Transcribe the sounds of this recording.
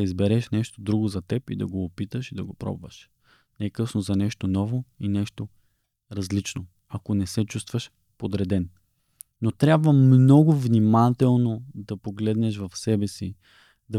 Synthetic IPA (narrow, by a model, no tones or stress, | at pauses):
ɐizbɛɾɛʃnɛʃt̪od̪ɾuɡozɐt̪ɛpḭd̪ɐ̰ɡoːpit̪əʃid̪ɐɡopɾɔ̰bvə̰ʃ | nɛɛkɤsnozɐnɛʃt̪onɔvoinɛʃt̪o | ɾɐzlit͡ʃno | ɐkonɛsɛt͡ʃust̪vəʃ | pod̪ɾɛd̪ɛnː | ot̪ɾʲabvəmmnɔɡʊvnimat̪ɛlˠnod̪ɐpoɡlɛd̪nɛʃvɐfsɛbɛsi | d̪ɐ